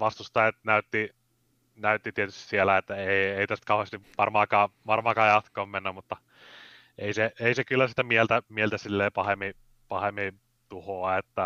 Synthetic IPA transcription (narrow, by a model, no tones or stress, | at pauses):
ʋɑst̪ust̪ɑjɑt̪næyt̪ːi | næyt̪ːit̪iet̪y̥st̪i̥sielæet̪ːæeieit̪æst̪̚kɑuhest̪iʋɑrmɑːkɑːʋɑrmɑːkɑːjjɑt̪kˑoːmmenːæmmut̪ːɑ | eiseeisekylːæsi̥t̪æmielt̪æmielt̪æsilːeːpɑhemi | pɑhemːi | t̪uhoɑet̪ːæ